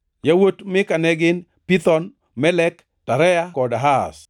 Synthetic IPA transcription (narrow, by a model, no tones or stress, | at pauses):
jawotmɪkanɛɡɪn | pit̪ɔn | mɛlɛk | taɾɛakɔdaɦas